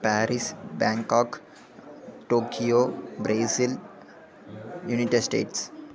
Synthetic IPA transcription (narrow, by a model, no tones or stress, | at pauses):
pæːɾisbɛ̃ːŋkɔːk | ʈoːkʰioːbɾeːsil | juniʈeɖsʈḛːʈs